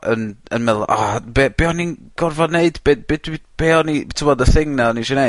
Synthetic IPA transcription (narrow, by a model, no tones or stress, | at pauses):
ənənmɛlˠʔabɛb̥ɛɔninɡ̥ɔrvɔneɨdbebedwib̥ɛɔnitʰumɔdəθɪŋnɛɔniʃɛne